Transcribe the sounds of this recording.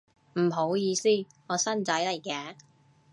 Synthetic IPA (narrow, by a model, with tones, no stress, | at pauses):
m̩˨˩ɦo˨˧˥wjiː˨˧siː˥ | ŋɔː˨˧sɐ˥nt͡sɐ˨˥jlɐ˨˩jkɛː˨˧